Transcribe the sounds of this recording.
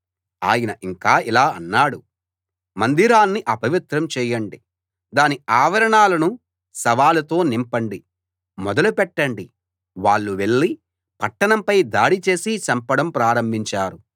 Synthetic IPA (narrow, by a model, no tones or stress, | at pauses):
a̰ːjɐnɐʔiŋkaːilaːɐ̰nːaːɽu | mɐnd̪iɾaːnːiʔɐpɐʋit̪ɾɐmt͡ʃɛːjɐɳɖi | d̪aːniaːʋɐɾɐɳaːlɐnu | sɐʋaːlɐt̪o̞ːnimpɐɳɖi | mɔd̪ɐlupɛʈːɐɳɖi | ʋaːɭːuʋe̞ɭːi | pɐʈːɐɳɐmpɐjd̪aːɽit͡ʃe̞ːsit͡ʃɐmpɐɽɐmpɾaːɾɐmbʱiɲt͡ʃaːɾu